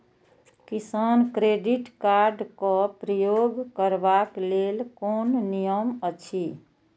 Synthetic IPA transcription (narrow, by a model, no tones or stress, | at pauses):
kisankɾeɖiʈkaɾɖkɔpɾəjoɡkəɾbaklelkonnijəmət͡ʃʰi